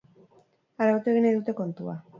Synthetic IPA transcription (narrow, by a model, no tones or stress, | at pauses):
aɾat̪eɣineðut̪e̞ko̞nt̪ua̰